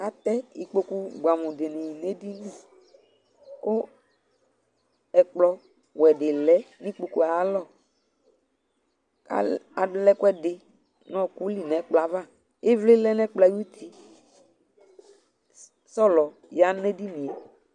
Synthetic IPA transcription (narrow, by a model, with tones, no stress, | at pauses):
a˨t̪ɛ˦i˨k͡po˨ku˦ɡ͡bʷa˨mʊ̃˨dɪ˨ni˨ji˨ne˦di˦nĩ˦˨ | kʊ˦ | ɛ˨k͡plɔ˦ | wɛ˨dɪ˨lɛ˦nĩ˦k͡po˨ku˨a˨˦lɔ˦˨ | a̰˨a˨dʊ˨˦lɛ˦kɛ˦dɪ˨ | nɔ̃˨ku˦li˨nɛ˨˦k͡pla˨˦va˦˨ | e˦vle˦lɛ˦nɛ˦k͡pla˨˦ju˦t̪ʰi˨ | sɔ˦lɔ˨ | ja˨˦ne˦di˦nĩ˨e˨